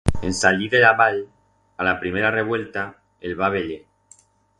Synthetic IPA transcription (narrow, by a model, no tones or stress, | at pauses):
ensaʎiðelaβaʎ | alapɾimeɾareβ̞we̞lt̪a | elβaβ̞eʎe